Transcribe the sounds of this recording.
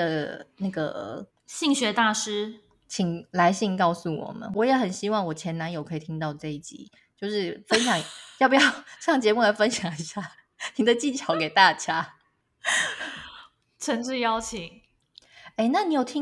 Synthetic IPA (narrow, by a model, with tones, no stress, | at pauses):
ə˩na˥˩ɡə̰˩ | ɕi˥˧ŋɕɥɛ˧˥t̪a˥˩ʂɻ̩˥ | t͡ɕʰi˨˩ŋla˧˦ɪɕi˥˧ŋkɑ˥˧ʊsu˨˩wɔ̰˨˩mə̰˦nwɔ˧˦˥jɛ˧˦xə˨˩nɕi˥wɑ˥˩ŋwɔ˨˩t͡ɕʰjɛ˧˥na˧˦njo˨˩ʊkʰɤ˧˥i˨˩t̪ʰi˥ŋt̪ɑ˥˧ʊʈ͡ʂɤ˥˧i˥˩t͡ɕḭ˨˦ | t͡ɕjo˥˧ʊʂɻ̩˥˩fə˦˥nɕjɑ˨˩˦ŋjpu˨˩jɑ˥˧ʊʂɑ˥˩ŋt͡ɕjɛ˧˥mu˥˩la˧˥ɪfə˥nɕjɑ˨˥ŋi˨˩ɕja˥˩ | ni˨˩d̪ə˨t͡ɕi˥˩nt͡ɕʰjɑ˧˥ʊke˨˩ɪt̪a˥˩t͡ɕja˥ | t͡sʰə˧˥nʈ͡ʂ̩˥˧jɑ˥ʊt͡ɕʰi˨˩˦ŋ | e˥˧ɪna˥˩ni˧˥jo˨˩ʊt̪ʰi˥